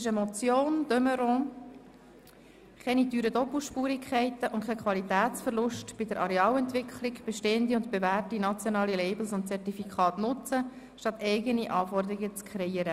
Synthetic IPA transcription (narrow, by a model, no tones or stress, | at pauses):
ɪʃəmɔt͡sjoːnd̥œməɾɔ̃ː | kɛnidyːɾədɔpl̩ˠʃpuːɾikʰχɛɪt̪əʔʊntkʰɛɪkʰʋɑlit̪æːtt͡sfəɾlʊʃtb̥ɪdəɾʔɑɾeɑːlɛntʋɪkχlɪɡb̥ɛʃteːənd̪iʊntb̥evæːrtinɑt͡sjonɑːlilɛɪbl̩sʊntt͡sɛrtifikʰχɑːtnʊt͡sə | ʃtɑt̪ɛɪɡəniʔɑːfɔrd̪əɾiɡət͡skʰɾɛiːəɾə